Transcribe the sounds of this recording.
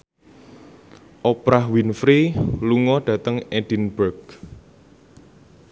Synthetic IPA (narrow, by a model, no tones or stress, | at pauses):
ʔopɾahwinfɾiluŋɔɖ̥ä̤t̪əŋɛd̥inbərɡ